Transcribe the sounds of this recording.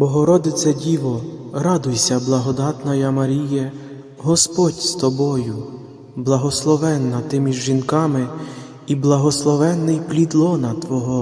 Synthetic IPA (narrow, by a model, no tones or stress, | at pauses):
bɔɦɔɾɔd̪ɪt̪sɛdʲiʋɔɾɑd̪ʊjsʲɐblˠɐɦɔd̪ɑt̪nɐjɐmɐɾʲijɛ | ɦɔspɔtʲst̪ɔbɔjʊ | blˠɐɦɔslˠɔʋɛnːɐt̪ɪmʲiʒʒinkɑmɪ | iblˠɐɦɔslˠɔʋɛnːɪjplʲid̪lˠɔnɐt̪ʋɔɦɔ